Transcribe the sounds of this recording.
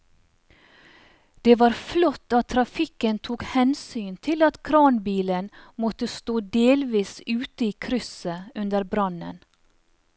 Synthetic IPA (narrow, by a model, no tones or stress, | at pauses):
d̪̥eːʋɑːɾflɔt̪ɑt̪ʰɾɑfɪkənt̪ʰuːkhɛnsyːnt̪ʰɪlɑt̪kʰɾɑːnbiːlənmɔt̪əst̪oːd̪eːlʋiːsʉːt̪əiːkʰɾʏsəʉnd̪əɾbɾɑnə̰n